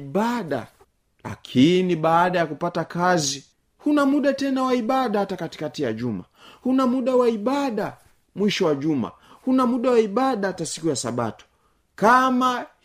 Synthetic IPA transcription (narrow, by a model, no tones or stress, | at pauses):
aɗa̰ | la̰kʰiniɓaːɗajakupatakazi | hunamuɗatɛnawaiɓaɗahatakati̥katija̰ʄuma̰hunamuɗawaiɓaɗa | mwiʃɔwaʄuma̰ | hunamuɗawaiɓaɗahatasi̥kujasa̰ɓa̰tu̥ | kama